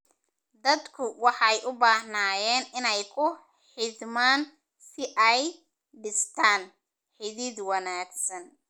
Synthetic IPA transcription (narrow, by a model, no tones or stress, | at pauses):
d̪ɐd̪kʰʊwɑħɑɛjʔʊbaːhnaːjɛːnɪnɛjkʰʊ | ħɪd̪maːn | sɪʔɛj | ɖɪst̪ʰaːn | ħɪðɪd̪wɑnaːɡsɐn